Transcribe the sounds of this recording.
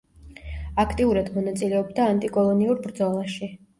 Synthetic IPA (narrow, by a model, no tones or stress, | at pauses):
akʰt̪ʼiuɾad̪mɔnat̪sʼilɛɔbd̪aːnt̪ʼikʼɔlˠɔniuɾbɾd̪zɔlˠaʃi